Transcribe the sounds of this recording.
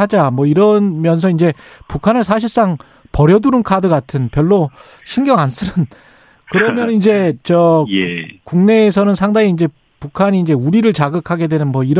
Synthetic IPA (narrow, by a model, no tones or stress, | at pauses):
ad͡ʑamwʌiɾʌnmjʌns̬ʰʌind͡ʑe̞pukʰanɯɭsʰaɕ̬ʰiɭs͈aŋ | pʌɾjʌduɾɯnkʰadɯɡatʰɯnpjʌɭːo | ɕʰinɡjʌŋansʰɯɾɯn | kɯɾʌmjʌnind͡ʑe̞t͡ɕʌ | kuŋne̞ːs̬ʰʌnɯnsʰaŋdaŋiːnd͡ʑe̞ | pukʰaɲiːnd͡ʑe̞uɾiɾɯɭt͡ɕaɡɯkʰaɡe̞dwe̞nɯnmʌiɾ